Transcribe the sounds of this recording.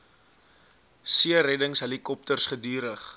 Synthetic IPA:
siəɾɛdəŋsɦəlikɔp̚tərsχədyːɾəχ

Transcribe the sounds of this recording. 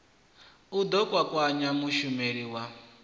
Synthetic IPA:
ud̪ɔkʼwakʼwaɲamuʃumeɾiwa

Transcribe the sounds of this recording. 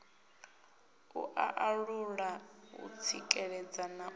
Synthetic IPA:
ṵʔaʔaɺuɺaṵt͡sʰikʼɛɺɛd͡zana

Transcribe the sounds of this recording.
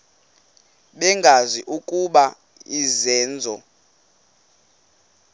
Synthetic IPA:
ɓɛŋɡʱaziʔukʼuɓa | izɛːnd͡zʱɔ

